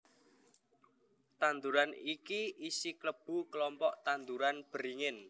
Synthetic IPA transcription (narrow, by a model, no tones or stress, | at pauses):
t̪and̪uɾanikiʔisikləb̥ṳklɔmpɔʔt̪and̪uɾanb̥əɾiŋɪn